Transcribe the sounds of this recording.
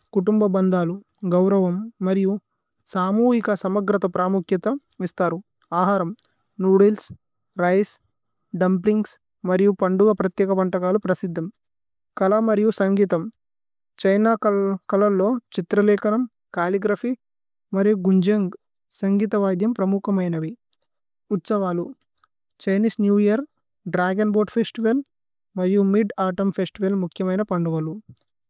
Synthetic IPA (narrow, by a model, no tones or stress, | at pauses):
kuʈumbɐbɐnd̪aːlu | ɡɐwɾɐʋɐmːɐɾiju | saːmuːɦikɐsɐmɐɡɾɐt̪ɐpɾaːmukʰjɐt̪ɐ | ist̪aːɾu | aːɦaːɾɐm | nuːɽils | ɾɐjs | ɖɐmpliŋɡs | mɐɾijupɐɳɖuɡɐpɾɐt̪jɛːkɐpɐɳʈɐkaːlupɾɐsid̪ʱːɐm | kɐlɐmɐɾijusɐŋɡiːt̪ɐm | t͡ʃɐjnaːkɐlɐlːo̞ːt͡ʃit̪ɾɐlɛːkɐnɐm | kaːliɡɾɐpi | mɐɾijuɡuɲd͡ʒɐŋɡ | sɐŋɡiːt̪ɐʋaːd̪jɐmpɾɐmukɐmɐjnɐʋi | ut̪sɐʋaːlu | t͡ʃɐjniːsnjuːijɐɾ | ɖɾaːɡɐnbo̞ːɾɖpʰeːsʈiʋɐl | mɐɾijumiɖaːʈɐmpʰesʈiʋɐlmukʰjɐmɐjnɐpɐɳɖuʋɐlu